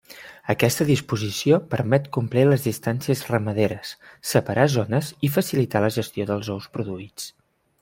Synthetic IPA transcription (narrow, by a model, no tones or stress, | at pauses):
əkɛst̪əðispuzisiopəɾmɛt̪kumpliləzðist̪ansiəzrəməðeɾəsːəpəɾʔazɔnəzifəsilit̪aləʒəst̪ioðəlˠzɔwspɾuðuit͡s